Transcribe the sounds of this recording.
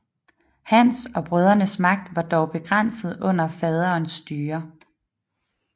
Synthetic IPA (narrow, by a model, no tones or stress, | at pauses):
hænsɒ̽b̥ʁœð̞ˠɐnəsmɑ̈ɡ̥̚d̥ʋɑ̈d̥ɒʊb̥e̝ɡ̥ʁan̰sð̩ˠɔ̽n̰ɐfɛð̞ˠɐːnsːd̥yːɐ